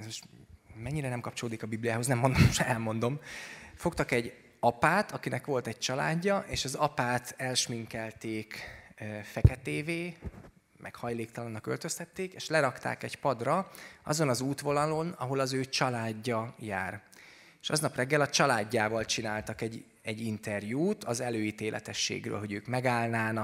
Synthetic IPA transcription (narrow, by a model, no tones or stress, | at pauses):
ɛzmoʃmɛɲːiɾɛnɛmkɒpt͡ʃo̞loːd̪ikɒbiblijaːɦo̞znɛmːo̞nd̪omʃɛlmo̞nd̪o̞mfo̞k̚t̪ɒkɛɟ | ɒpaːt̪ɒkinɛkʋo̞lt̪ɛɟ̚t͡ʃɒla̰ːɟːɒʔeːʃɒzɒpaːt̪ɛlʃmiŋkɛlt̪eːkː | fɛkɛt̪eːveː | mʔɛ̰khɒjleːkt̪ɒlɒnːɒkølt̪ø̞st̪ɛt̪ːeːkeːʃlɛɾɒkt̪a̰ːkɛɟpɒd̪rɒɒ̰zo̞nɒzuːt̪ʋo̞nɒlo̞nɒ̰ɦo̞lɒzøːt͡ʃɒlaːɟːɒjaːr | eʃɒ̰znɒprɛɡːɛlɒt͡ʃɒlaːɟːaːvɒlt͡ʃinaːlt̪ɒkɛɟ | ɛɟːint̪ɛrjuːt̪ɒzɛløːjit̪eːlʔɛ̰t̪ɛʃːḛːɡrø̰ːlɦo̞ɟøːkmɛɡaːlnaːnɒk